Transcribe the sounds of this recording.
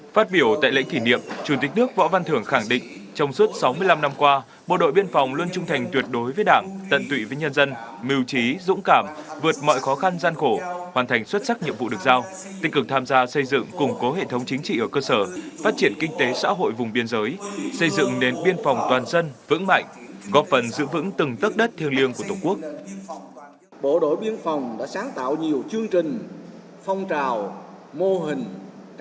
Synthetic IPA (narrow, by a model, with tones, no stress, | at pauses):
faː˦˥t̚ɓi˧˩əwt̪a̰ː˧˨jlḛ˧˥ŋt̪ʰi˧˩nḭ˧˨əmt͡ɕu˧˩t̪i˨˩k̟̚nɨ˦˥ək̚vɔ̰˧˥va˧nt̪ʰɨ˧˩əŋxa˧˩ŋɗḭ̈˧˨ŋ̟t͡ɕɔ˧wŋ͡mswt̚sa˨˦wmɨ˧əjla˧mna˧mkwaː˧ | ɓo̰˧˨ɗo̰˧˨jɓi˧ənfa˨˩wŋ͡mlwu˧ənt͡ɕʊ˧ŋ͡mt̪ʰa˨˩jŋ̟t̪wi˨˩ət̚ɗo˨˦jvəː˨˦jɗaː˧˩ŋt̪ə̰˧˨nt̪wḭ˧˨vəː˨˦jɲə˧nzə˧nmi˨˩əwt͡ɕi˨˦zʊ̰˧˥ŋ͡mkaː˧˩mvɨ˨˩ət̚mɔ̰˧˨jxɔ˨˦xa˧nzaː˧nxo˧˩haː˨˩nt̪ʰjŋ̟swə˦˥t̚sa˦˥k̚ɲḭ˧˨əmvṵ˧˨ɗɨ˨˩ək̚zaː˧w | t̪i̟˦˥kɨ˨˩k̚t̪ʰaː˧mzaː˧sə˧jzɨ̰˧˨ŋkʊ˨˩ŋ͡mko˨˦ɦḛ˧˨t̪ʰə˨˦wŋ͡mt͡ɕi˨˦ŋ̟t͡ɕḭ˧˨ʔəː˧˩kəː˧səː˧˩faː˦˥t̚t͡ɕi˧˩ənkï˧ŋ̟t̪e˨˦sa̰ː˧˥ɦo̰˧˨jvʊ˨˩ŋ͡mɓi˧ənzəː˨˦jsə˧jzɨ̰˧˨ŋne˨˦nɓi˧ənfa˨˩wŋ͡mt̪waː˨˩nzə˧nvɨ̰˧˥ŋma̰˧˨jŋ̟kɔ˨˦fə˨˩nzɨ̰˧˥vɨ̰˧˥ŋt̪ɨ˨˩ŋt̪ə˦˥t̚ɗə˦˥t̚t̪ʰi˧əli˧əŋku˧˩ət̪o˨˧˩ŋku˦˥ək̚ | ɓo˧˩ɗo˧˩jɓi˧ənfa˨˩wŋ͡mɗa̰ː˧˥saː˨˦ŋt̪a̰ː˧˨wɲi˨˩əwt͡ɕɨ˧əŋt͡ɕï˨˩ŋ̟ | fɔ˧wŋ͡mt͡ɕaː˨˩w | mo˧ɦï˨˩ŋ̟